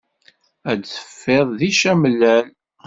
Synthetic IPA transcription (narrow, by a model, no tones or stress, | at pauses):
æt͡sə̥fːeðˤðiʃæməlːæl